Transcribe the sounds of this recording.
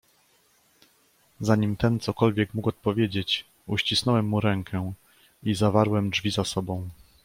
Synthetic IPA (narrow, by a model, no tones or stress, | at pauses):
zaɲimt̪ɛnt̪sɔkɔlvʲjɛkmukɔt̪̚pɔvʲjed͡ʑet͡ɕ | uɕt͡ɕisnɔwɛmːuɾɛŋkʰɛ | izavaɾwɛmdvʲizasɔbɔ̃w̃